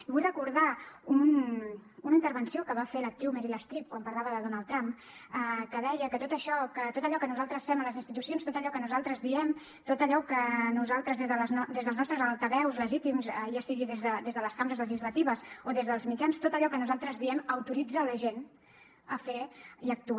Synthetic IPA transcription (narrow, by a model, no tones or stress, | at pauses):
iβujrəkuɾðaun | unəint̪əɾβənsiokəβafelək̚t̪ɾiwmɛɾiləst̪ɾip̚kwampəɾlaβəðəðonalˠd̪t̪ɾamp | əkəðɛjəkət̪ot̪əʃɔkət̪ot̪əʎɔkənuzalˠt̪ɾəsfɛmələzinst̪it̪usionst̪ot̪əʎɔkənuzalˠt̪ɾəzðiɛm | t̪ot̪əʎɔkənuzalˠt̪ɾəzðezðəlnd̪ezðəlˠznɔst̪ɾəzəlˠt̪əβɛwzləʒit̪imzəʒasiɣiðezðəd̪ezðələskaməɾəzləʒizlət̪iβəsoðezðəlˠzmid͡ʒanst̪ot̪əʎɔkənuzalˠt̪ɾəzðiɛməwt̪uɾid͡zələʒen | əfeiək̚t̪u